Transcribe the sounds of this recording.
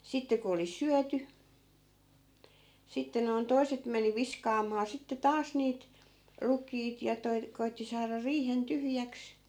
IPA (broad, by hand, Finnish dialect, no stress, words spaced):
sitːe ku oli syæty sitːe noi̯n toi̯set meni ʋiskɑːmɑː sitːe tɑːs niːt rukˑiːt jɑ toi̯ koitːi sɑːrɑ riːhen tyhjæks